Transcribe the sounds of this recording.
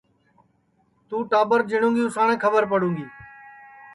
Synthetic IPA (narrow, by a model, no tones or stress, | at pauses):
t̪ũːʈaːbəɾd͡ʒɪɳ̤̃ũːŋɡiːũːsaːɳẽːkʰəbəɾpəɽũːɡiː